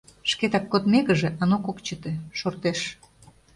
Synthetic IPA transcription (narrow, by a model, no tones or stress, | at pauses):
ʃket̪ɑkːot̪meɣəʒĕʔɑnokokt͡ɕət̪eʃort̪eʃ